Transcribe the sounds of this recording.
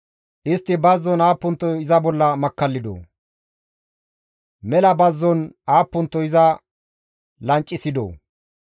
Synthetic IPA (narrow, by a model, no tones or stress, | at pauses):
ʔɪst̪ːɪbɐzːɔnaːpːʊnt̪ːɔjɪzɐbɔlːɐmɐkːɐlːɪd̪o̰ː | mɛlɐbɐzːɔnaːpːʊnt̪ːɔjɪzɐ | lɐnt͡ʃʼːɪsɪd̪o̰ː